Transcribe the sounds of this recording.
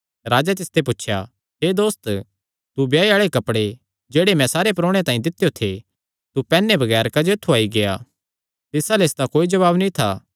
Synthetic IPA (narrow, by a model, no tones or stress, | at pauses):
ɾaːd͡ʒat̪̬ɪst̪ʰep̬ʊtːʃʰja̰ | ɦeːd̪oːst̪ | t̪ubjaːeaːɭekɐpɽe | d͡ʒeːɽemɛ̃saːɾepɾoːɽ̃et̪ãːĩd̪ɪt̪ːjot̪ʰe | t̪upɛːnːebʱɐɡɛːɾkad͡ʒet̪ʰuaːiɡeja̰ː | t̪ɪsalesd̪akoːid͡ʒɐβaːbnĩt̪ʰa̰